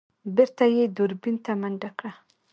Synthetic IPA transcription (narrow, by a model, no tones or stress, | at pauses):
bɪɾt̪ajed̪ʊɾbint̪amaɳɖakɽa